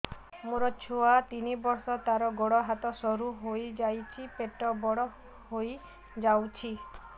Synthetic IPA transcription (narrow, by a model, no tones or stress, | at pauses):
muɾɔt͡ʃʰoat̪inibɔɾsɔt̪aɾɔɡɔɽɔɦat̪ɔsɔɾuɦojd͡ʒajt͡ʃʰipeʈɔbɔɽɔ | hoj | d͡ʒawt͡ʃʰi